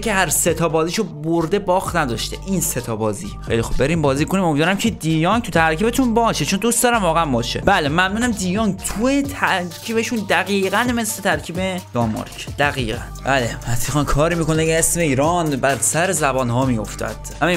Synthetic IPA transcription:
kʰeɦæɾse̞t̪ʰɒːbɒːziːʃoboɾd̪e̞bɒːxnæd̪ɒːʃt̪eʔinset̪ʰɒːbɒːzḭːxḛjlixob̚be̞ɾiːmbɒːziːkonimo̞mid̪vːɾæmcʰed̪iːjɒŋt̪ʰut̪ʰæɾkʰiːbe̞t̪ʰunbɒːʃet͡ʃʰond̪ust̪ɒːɾæmvɒːɣææmbɒːʃḛbælemæmnuːnæmd̪iːjɒːŋt̪ʰuet̪ʰæɾcʰiːbeʃund̪æɣiːɣænme̞sle̞t̪ʰæɾcʰiːbe̞d̪̥ɒmmːɒ̰ɾkʰd̪æɣiːɣænbælemæsixɑnkʰɒːɾiːmiːkoneiesmeiːɾɒːnbæɾsæɾezæbɒːnhɒːmiːjo̞̰ft̪ʰæ̰d̪̥m

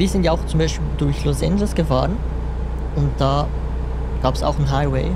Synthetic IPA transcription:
viːzɪntjaaʊxt͡sʊmbaɪʃpiːldʊɐçlosɛ̰ndlʊsɡ̥əfa̰ːʁən | ʊnt̚d̥aː | ɡ̥aːpɛ̥sa̰ʊxn̩ɦaɪweɪ

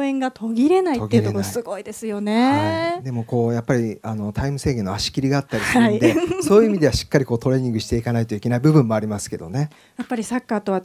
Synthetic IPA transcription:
oẽ̞ŋɡat̪ʰo̞ɡʲiɾe̞naitɡʲeɯokosɨɡo̞id̪e̞sɨjo̞ne̞ad̪e̞mo̞ko̞ːjapːaɾʲiano̞t̪ʰaimɯ̟se̞ːɡẽ̞nːoaɕi̥kʲiɾʲiɡaːt̪ːaɾisɨaɯniod̪eso̞ːjɯimʲid̪e̞βaɕi̥kːaɾʲiko̞ːt̪o̞ɾe̞ɲ̟ĩŋɡɯ̟ɕi̥t̪e̞ikanait̪oikʲenaibɯ̟bɯ̟̃mːo̞aɾʲimasɨ̥ke̞̰d̪o̞̰ne̞ | japːaɾʲisakːaːt̪o̞βa

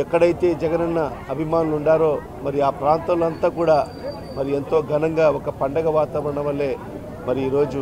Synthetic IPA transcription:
ɛkːɐɽɐjt̪e̞ːd͡ʒɛɡɐnɐnːɐɐbʱimaːnuluɳɖaːɾoː | mɐɾiaːpɾaːnt̪ɐmluɐnt̪aːkuːɽaː | mɐɾie̞nt̪o̞ːɡʱɐnɐŋɡaːɔkɐpɐɳɖɐɡɐʋaːt̪aːʋɐɾɐɳɐʋɐlːe̞ː | mɐɾiiːɾo̞ːd͡ʒu

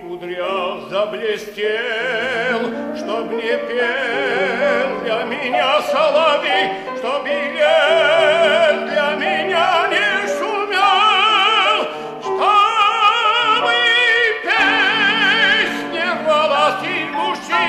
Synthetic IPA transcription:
ʊd̪ɾʲazɐblʲesʲtʲe | lˠʂt̪obnʲɛpʲe | lˠjamʲɪnʲasɐlˠavʲi | ʂt̪ɔbɪlʲe | ljamʲɪnʲanʲɛʂumʲa | lˠ | ʂt̪ɔ | mɨpʲe | sʲnʲealˠasʲimusi

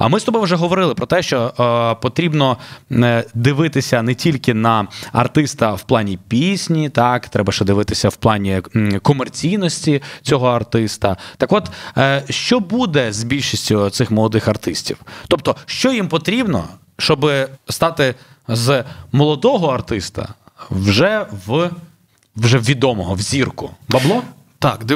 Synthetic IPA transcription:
ɐ̰mɪst̪ɔbɔjwʒɛɦɔʋɔɾɪlˠɪpɾɔt̪ɛʃt͡ʃɔpɔt̪ɾʲibnɔ | d̪ɪʋɪt̪ɪsʲɐnɛtʲilʲkɪnɐɐrt̪ɪst̪ɐwplˠɑnʲipʲisʲnʲit̪ɑkt̪ɾɛbɐʃɛd̪ɪʋɪt̪ɪsʲɐwplˠɑnʲikɔmert͡sʲijnɔsʲtʲit͡sʲɔɦɔɐrt̪ɪst̪ɐt̪ɐkɔt̪ʃt͡ʃɔbud̪ɛzbʲilʲʃisʲtʲʊt̪sɪxmɔlˠɔd̪ɪxɐrt̪ɪsʲtʲḭwt̪ɔp̚t̪ɔʃt͡ʃɔjimpɔt̪ɾʲibnɔ̰ | ʃt͡ʃɔbɪst̪ɑt̪ɪ | zmɔlˠɔd̪ɔɦɔɐrt̪ɪst̪ɐ̰ | wʒɛʋ | ʋʒɛwʋʲid̪ɔmɔɦɔwzʲirkʊbɐblˠɔ | t̪ɑk̪

